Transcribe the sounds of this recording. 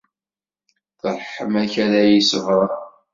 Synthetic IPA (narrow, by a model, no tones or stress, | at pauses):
θəɾˤħəmæçæɾæjisəvɾˤə